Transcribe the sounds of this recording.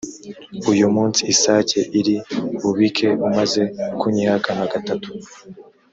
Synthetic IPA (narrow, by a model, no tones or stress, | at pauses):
ujumuːnsiːsace̞ʔiɾiβuβikʰe̞umaze̞kuɲihakaŋaɡatatu̥